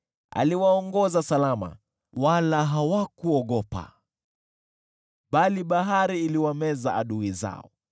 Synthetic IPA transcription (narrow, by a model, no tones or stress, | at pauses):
a̰liwaɔŋɡɔzasalama̰ | walaɦawakuɔɠɔpa̰ | ɓaliɓaɦaɾiːliwamɛza̰aɗuiza̰ɔ̰